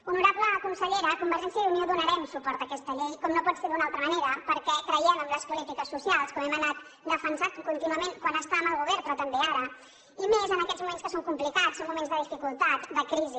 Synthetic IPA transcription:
unuɾapləkunsəʎeɾəkumbəɾʒɛnsjəðunioðunəɾɛmsupɔɾt̪əkɛst̪əʎejkɔmnopɔt̪seɾðunalˠt̪ɾəməneɾəpəɾkɛkɾəɛməmləspulit̪ikəsːusialˠskɔmɛmənat̪̚ | d̪əfənsakunt̪inuəmenkwanəst̪aməlˠɣuβɛɾpɾɔt̪əmbeaɾə | imezənəkɛzmumẽnskəsoŋkumplikatsommumẽnzðəðifikulˠt̪at̪d̪əkɾizi

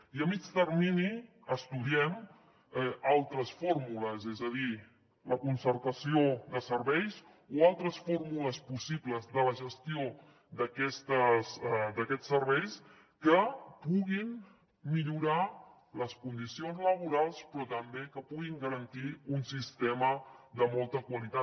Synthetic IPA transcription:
iəmid͡ʒt̪əɾmini | əst̪uðiɛm | ɛalˠt̪ɾəsformuləzɛzəð̞i | ləkunsəɾt̪əsioðəsəɾβɛjz | oalˠt̪ɾəsformuləspusibləzðələʒəst̪io | d̪əkɛst̪əzd̪əkɛt͡sːəɾβɛjs | kəpuɣin | miʎuɾa | ləskund̪isionzləβ̞uɾalˠspɾɔt̪əmbekəpuɣiŋɡəɾənt̪iunsist̪eməðəmolˠt̪əkwəlit̪at̪

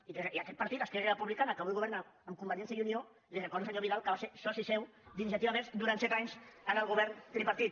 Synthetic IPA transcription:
ikeiakɛt̪̚pəɾt̪it̪askɛrerəpuβlikanakəβujɣuβɛɾnaəmkumbəɾʒɛnsjəðiunio | lirəkɔɾðus̬əɲoβiðalkəβasesɔsisɛw | d̪inis̬jat̪iβaβɛzd̪uɾant̪sɛt̪aɲsənəlˠɣuβɛɾnt̪ɾipaɾt̪it̪

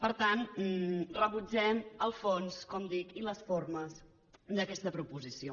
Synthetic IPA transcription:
pəɾt̪an | rəβud͡ʒɛməlˠfonskɔmd̪ikiləsforməs | d̪əkɛst̪əpɾupuzisio

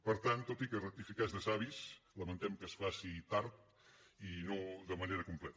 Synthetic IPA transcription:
pəɾt̪ant̪ot̪ikərək̚t̪ifikazðəsaβisləmənt̪ɛmkəsfasit̪aɾt̪̚ | inoðəməneɾəkumplɛt̪

